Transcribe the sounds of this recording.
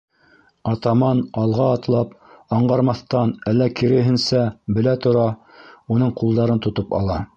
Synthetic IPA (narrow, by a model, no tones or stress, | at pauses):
ɑt̪ɑmɑnɑlˠʁɑːt̪lˠɑpɑɴɢɑɾmɑθt̪ɑnælːækĭɾɘ̆ɦɘ̆nsæbɘ̆læt̪ŏɾɑ | unɤɴqulˠd̪ɑɾɤnt̪ŏt̪opɑ̰lˠɑ